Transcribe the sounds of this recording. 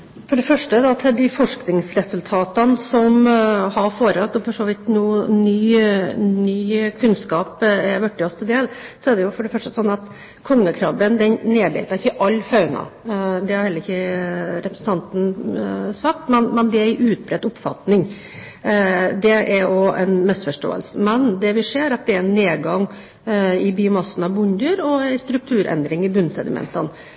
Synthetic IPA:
fɔɖɛfœʂʈəd̪ɑt̪ʰɪd̪ɪfɔʂknɪŋsɾɛsʉlt̪ʰɑːt̪ɑnsɔmhɑɾfoːɾəɑt̪ːɔfɔʂoːʋɪt̪nuːnyːnyːkʰʉnskɑːpɛɾʋœʈːɪɔst̪ʰɛld̪eːlsɔɛɖ̪ɛjʊfɔɖɛfœʂʈəsɔnːɑt̪ | kʰɔŋːəkʰɾɑːbənd̪ɛnneːbɛ̰ːt̪ɑɾɪçːəʔɑlːfɑʉnɑ̰d̪ɛhɑɾhɛlːəɾɪçːəɾɛpɾəsn̩t̪ʰɑnt̪n̩ | sɑkt̪mɛnmɛnd̪ɛæɪʔʉːt̪̚bɾɛd̪ʊpfɑ̰t̪nɪŋ | d̪ɛɛɾɔæ̰nmɛsfɔʂʈo̰ːə̰lsəmɛnd̪ɛʋɪseːɾɑt̪̚d̪ɛæɾnːeːɡɑŋ | ɪbɪʊmɑsːən̩ɑʋbʊnd̪əɾɔæɪst̪ɾʉk̚t̪ʰʉːɾʔɛ̰nd̪ɾɪŋɪbʉnsɛd̪ɪmɛ̰nt̪ən

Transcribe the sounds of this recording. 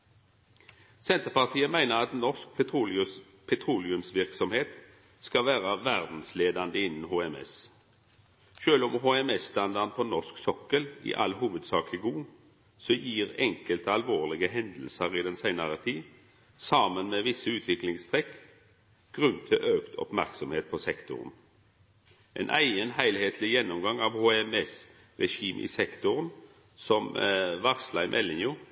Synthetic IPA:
sɛnt̪əʁpɑʁt̪ʰiːəmæɪnəʁɑt̪nɔsk̪̚ː | pʰɛt̪ʰʁuːlɪʉmsʋɪʁksɔmheːt̪ | skɑʋæːʁəʋæʁd̪n̩sleːd̪ɑnd̪əɪnːn̩hoːɛmɛ̰s | ʃøːlɔmhoːɛmɛsːt̪ɑnd̪ɑʁnpʰɔnɔʁsksɔkəlḭʔɑ̰lhuːʋəd̪sɑːkʰəɡuː | sɔjiːʁɛŋkəlt̪əɑlʋoːʁlɪɡəɦɛnd̪l̩səʁɪd̪ɛnsæɪnəʁət̪ʰiː | sɑːmənmeːʋɪsːəʉːt̪ʰʋɪklɪŋst̪ʰʁɛk | ɡ̥ʁʉnt̪ʰɪlʔøːkt̪ʰɔ̰pmæʁksɔmheːt̪̚pʰɔsɛkt̪ʊ̰ʁn | ʔḛnʔæɪənɦæɪlheːt̪ʰlɪjɛnːʊmɡɑŋɑʋhoːɛmɛs | ʁɛʃiːmʔɪ̰sɛkt̪ʊʁən | sɔmʋɑʁslɑɪmʔɛ̰lːɪnjuː

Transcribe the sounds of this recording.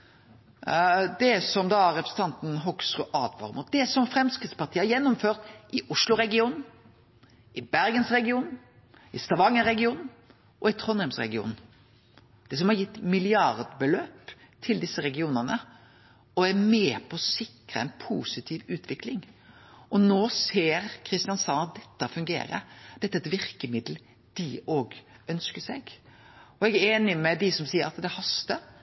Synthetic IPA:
d̪ɛsɔmd̪ɑːæɾɛpɾəsn̩t̪ɑnt̪n̩ɦɔksʁʉːʔɑːd̪ʋɑ̰ɾmʊt̪̚d̪ɛsɔmfɾɛmskʁɪt̪spɑʁt̪ʰiːəhɑɾjɛnːɔmføːɾt̪ʔɪʔʊʂlʊɾɛɡɪuːnn̩ | ɪbæɾɡənsʁɛɡɪuːn | ɪst̪ɑʋɑŋːəɾɛɡɪuːnn̩ | ʔɔɪt̪ʰʁɔnhɛmsɾɛ̰ɡɪṵːn̩ | d̪̥ɛs̬ɔmhɑɾjɪt̪ːmɪlɪɑʁd̪bəløːp | t̪ʰɪld̪ɪsːəɾɛɡɪuːnənə | ɔæɾmeːpʰɔɔsɪkɾə̰ɛnpʰuːsɪt̪ʰiːʋʉːt̪ʰʋɪklɪŋ | ʔɔnoːseːɾkʰɾɪst̪ɪjɑnsɑnɑt̪̚d̪ɛt̪ːəfʉŋɡḛːɾə̰d̪̥ɛt̪ːəɛt̪ʋɪɾkəmɪd̪l̩ | d̪̥ɪoːɡ | œnskəsɛɡ | ɔɛɡæɾeːnɪmɛd̪ɪsɔmsiːəɾɑt̪d̪ɛhɑst̪ə

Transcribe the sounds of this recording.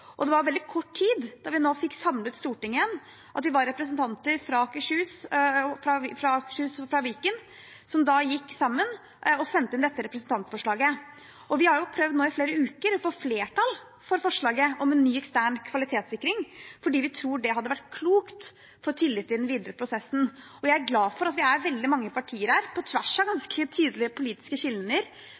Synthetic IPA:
ʔɔd̪ɛʋɑɾʋɛld̪ɪkʰɔʈːtʰiːd̪d̪̥ɑɾʋɪnoːfɪkːsɑmlət̪st̪uːʈɪŋːəən | ʔɑt̪d̪ɪʋɑɾːɛpɾəsən̩t̪ʰɑnt̪əɾfɾɑɑkəʂʉːsfɾɑfɾɑɑkʂʉːsfɾɑʋiːkən | sɔmd̪ɑjɪkːsɑmːən | ɔsɛnt̪əɪnd̪ɛt̪ːəɾɛpɾəsn̩t̪ɑnt̪fɔʂɭɑːɡə | ʔɔʋɪhɑɾjʊpʰɾœʋd̪noːɪfleːɾəʉːkəɾɔfoːfleːʈʰɑl | fɔɾfɔʂɭɑːɡəɔmɛnːyːɛkst̪æːɳkʰʋɑlɪt̪ʰeːt̪sɪkːɾɪŋfɔɖiːʋɪt̪ʰɾuːɖɛɦɑd̪ːəʋæʈːkʰluːkt̪ | fɔɾt̪ʰɪlːɪt̪ːɪd̪ɛnʋiːd̪əɾəpʰɾʊsɛsːn̩ | ɔjæɪæɾɡlɑːfɔɾɑt̪ʋɪæɾʋɛld̪ɪmɑŋːəpʰɑʈʰiːəɾæːɾpʰɔt̪ʰʋæʂɑɡɑnskʰət̪ʰyːd̪əlɪəpʰʊliːt̪ɪ̥skəɕɪlnəɾ

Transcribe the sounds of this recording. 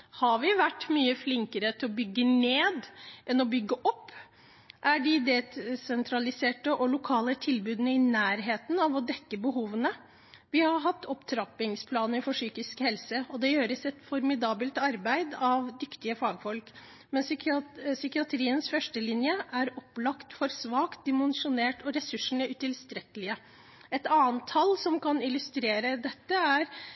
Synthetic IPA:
hɑɾʋɪʋæʈːmyːəflɪŋkəɾət̪ʰɪlɔbʏɡːəneːd̪ʔɛnɔbʏɡːəʔɔpː | ʔæɖɪd̪ɛsɛnt̪ʰɾɑlɪseːʈəʔɔlʊkʰɑːlət̪ʰɪlbʉːd̪nəɪnæːɾɦeːt̪nɑʋɔd̪ɛkːəbəɦuːʋənə | ʋɪhɑɾɦɑt̪ːɔpt̪ʰɾɑpɪŋspʰlɑːnəɾfɔʂyːkɪskhɛlsəɔd̪ɛjøːɾəsɛt̪fɔɾmɪd̪ɑːbəlt̪ɑɾbæɪd̪ɑʋd̪ʏkt̪ɪəfɑːɡfɔlk | mɛnssʏkɪɑt̪ʰɾiːənsfœʂʈəlɪnjəʔæɾɔplɑkt̪fɔɾsʋɑːkt̪̚d̪ɛmɛnsʊneːʈɔɾɛsʉʂːəɳ̩əʉt̪ɪlst̪ɾɛkəlɪə | ɛt̪ɑːnt̪ʰːɑlːsɔmkʰɑnɪlʉst̪ɾeːɾəd̪ɛt̪ːəæɾ

